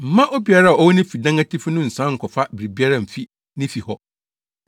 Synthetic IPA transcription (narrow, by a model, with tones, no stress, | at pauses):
m̩˨mã˦ʔɔ˦bi˨a˦ɾa˦˨ɔ˦wɔ˦nɪ̃˦fi˨dã˦ŋa˦tʰi˦fnʊ̃˦n̩˨sã˦ŋ̩˨kʰɔ˨fa˦bɪ˨ɾi˨bi˦a˦ɾã˨m̩˨fi˦ | nɪ̃˦fi˨hɔ˦